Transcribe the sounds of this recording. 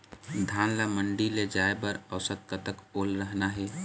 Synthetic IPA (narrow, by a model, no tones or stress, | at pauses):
d̪ʱaːnlaməɳɖiled͡ʒaːebəɾəʊsət̪̚kət̪əkoːlɾəɦnaɦɛ